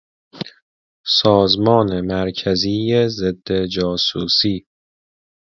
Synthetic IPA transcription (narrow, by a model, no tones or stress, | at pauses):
sɒːzmɒːnemæɾcʰæziːjezed̪ːe̞d͡ʒɒːsuːsiː